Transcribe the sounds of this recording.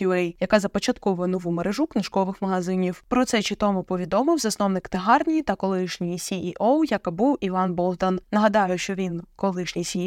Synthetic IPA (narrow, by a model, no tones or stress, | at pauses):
uɛjjɐkɑzɐpɔt͡ʃɐt̪kɔɔnɔʋumeɾeʒuknɪʃkɔʋɪxmɐɦɐzɪnʲiwpɾɔt̪sɛt͡ʃit̪ɔmʊpɔʋʲid̪ɔmɪwzɐsnɔwnɪkt̪eɦɑrnʲijit̪ɐkɔlˠɪʃnʲijisʲiʔiʔowjɐkbuwiʋɑnbɔlˠt̪ɐnnɐɦɐd̪ɑjʊʃt͡ʃɔʋʲinkɔlˠɪʃnʲijsʲi